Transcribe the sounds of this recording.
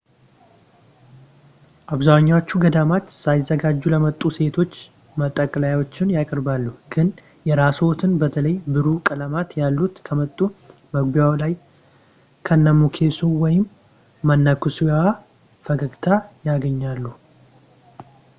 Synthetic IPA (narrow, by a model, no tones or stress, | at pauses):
ʔaβzaɲːawot͡ʃːuɡəd̪amat͡ʃːsajɪzːəɡad͡ʒːuləmət̪ʼːuse̞t̪ʰo̞t͡ʃː | mət̪ʼːəkʼlajwot͡ʃːɪnjakʼɨɾbalːuhɡ̥ɨn | jɛɾasot̪ʰɨnbət̪ʰələjbɨɾukʼələmat̪jalːut̪kʰəmət̪ʼːu | məɡbijawlaj | kʰənːəmukʰe̞sowɔjɪmː | ənːəkʰɨsuja | fəɡəɡt̪ʰajaɡəɲːalːu